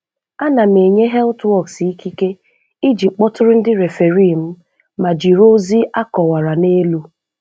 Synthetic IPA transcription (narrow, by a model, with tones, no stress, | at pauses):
a˦na˨m̩˨e˨ɲe˦ɦɛ˦ltwɔ˦˨ksi˦ki˦ke˦ | i˦d͡ʒi˨k͡pɔ˦tʊ˦ɾʊ˦n̩˦dɪ˦ɾe˨fe˨ɾi˦˨m̩˦ | ma˨d͡ʒi˨ɾo˦zi˦a˦kɔ˨wa˨ɾa˨ne˦lu˦